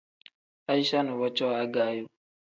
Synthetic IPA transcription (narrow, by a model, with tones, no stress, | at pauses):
a˦i˦ʃa˦nu˨wɔ˦t͡ʃɔ˦a˦ɡaː˦jo˦